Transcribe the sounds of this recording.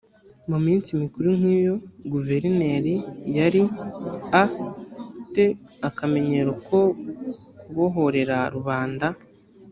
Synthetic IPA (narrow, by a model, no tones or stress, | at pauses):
mumiːnt͡simikuɾuŋ̥hiːjo̞ɡuve̞ɾine̞ːɾijaɾi | a | te̞akame̞ɲe̞ɾokʰo̞ | kuβo̞ɦo̞ɾe̞ɾaɾuβaːnda